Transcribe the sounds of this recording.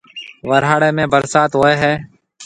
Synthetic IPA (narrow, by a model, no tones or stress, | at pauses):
ʋəɾɦaːɽeːmẽːbəɾsaːt̪ɦoːeːɦɛː